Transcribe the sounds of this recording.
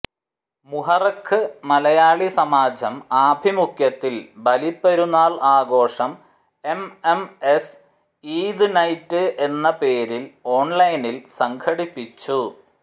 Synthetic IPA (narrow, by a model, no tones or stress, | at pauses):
muɦɐrɐkʰːɨmɐlɐjaːɭisɐmaːd͡ʑʱɐmaːbʱimukʰjɐt̪ːilbɐlipːɐɾunaːɭaːɡo̞ːʂɐm | e̞memes | iːd̪ɨnɐjtːɨʔe̞nːɐpe̞ːɾilo̞ːɳlɐjnilsɐŋɡʰɐɽipːit͡ɕːu